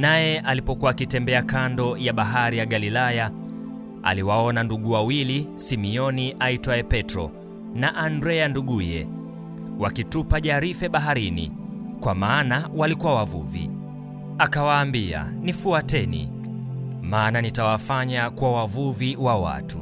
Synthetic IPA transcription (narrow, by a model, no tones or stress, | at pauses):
najɛʔalipɔkuaːkitɛmbɛakandɔjaɓaɦaɾijaɠalilaja | a̰liwaɔnanduɠuwawilisimiɔniʔaitwaɛpɛtɾɔ̰ | naʔandɾɛanduɠujɛ̰ | wakitupaʄaɾifɛɓaɦaɾinḭ | kwamaːnawalikuwawavṵvḭ | akawaːmbia̰nifuatɛnḭ | maːnanitawafaɲakwawavuviwawa̰tṵ